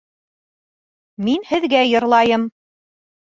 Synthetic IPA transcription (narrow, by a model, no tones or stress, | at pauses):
minhɘ̆ðɡæjɤ̆ɾlˠɑjɤm